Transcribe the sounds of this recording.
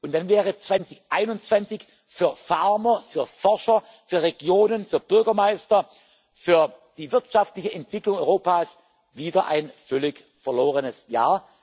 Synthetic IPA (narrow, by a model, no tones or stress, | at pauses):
ʊntd̥anvɛːʁ̞ət͡sv̥ant͡sɪçʔaɪnʊnt͡sv̥ant͡sɪç | fyːɐfaɐmɐfyːɐfɔɐʃɐ | fyːɐʁeɡjoːnənfyːɐb̥ʏɐɡɐmaɪstɐ | fyːɐd̥iːvɪɐtʃaftlɪçəʔɛntv̥ɪklʊŋɔʏʁoːpaːs | viːdɐʔa̰ɪnfœlɪç | fɛɐloːʁ̞ənəsjaːɐ